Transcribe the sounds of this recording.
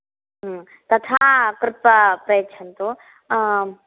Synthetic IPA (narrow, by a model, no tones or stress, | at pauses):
ɦ | t̪ɐt̪ʰaːkɾɪt̪̚pɐpɾɐjətːt͡ʃʰɐnt̪u